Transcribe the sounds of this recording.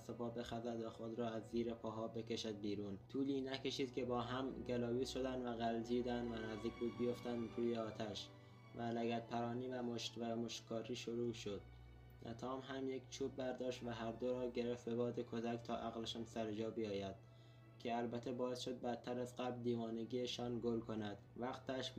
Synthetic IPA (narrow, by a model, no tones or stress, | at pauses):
sopɒːbe̞xæzæd̪væxo̞d̪ɾɒːæzːiːɾepʰɒːɦɒːbe̞ke̞ʃæd̪̚biːɾuːnt̪ʰuːliːnækʰe̞ʃiːd̪kʲʰe̞bɒːɦæmɡælɒːbiːzʃo̞d̪ænd̪væɣæld̪iːd̪ænd̪vænæzd̪iːkbuːd̪̚bijo̞ft̪ænd̪ɾuːjeɒːt̪ʰæʃ | vælæɡæt̪̚pʰæɾɒːniːvæmoʃvæmoʃtkʰɒːɾiːʃoɾuːʃo̞d̪̥̚ | næ̰t̪ʰɒːmɦæmje̞kt͡ʃʰuːb̚bæɾd̪ɒːʃt̪væɦæɾd̪oɾɒːɟe̞ɾeft̪be̞bɒːd̪ekʰo̞zækt̪ʰɒːʔæɣleʃæmsæɾed͡ʒɒːbijɒːjæd̪̥ | kʲʰe̞ælbæt̪ʰːebɒːesʃo̞d̪̚bæd̪̚t̪ʰːæɾæzɢæbld̪iːvɒːneɡiːeʃɒːnɡolkʰonæd̪̥væqt̪ʰæʃ